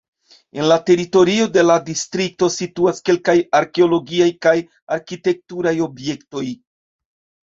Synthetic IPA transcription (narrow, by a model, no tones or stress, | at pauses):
e̞nlate̞ɾito̞ɾio̞de̞ladistɾik̚to̞situaske̞lkajaɾkeolo̞ɡiajkaj | aɾkite̞k̚tuɾajo̞bje̞kto̞j